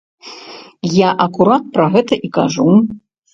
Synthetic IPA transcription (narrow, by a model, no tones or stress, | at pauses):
jaʔɐkuɾat̪̚pɾɐɣɛt̪ɐʔika̰ʐu